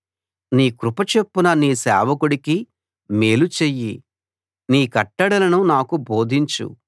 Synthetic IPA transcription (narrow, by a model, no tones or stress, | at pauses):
niːkɾupɐt͡ʃe̞pːunɐniːsɛ̰ːʋɐkuɽiki | meːlut͡ʃejːi | niːkɐʈːɐɽɐlɐnunaːkubo̞ːd̪ʱiɲt͡ʃṵ